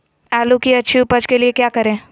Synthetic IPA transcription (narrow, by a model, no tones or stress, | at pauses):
ɛːlukiɐtːʃʰiʊpəd͡ʒkeliekjaːkɐɾẽː